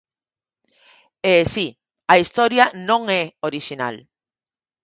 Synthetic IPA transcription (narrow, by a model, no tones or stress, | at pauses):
esi | aist̪oɾjanõŋeoɾiʃina̰l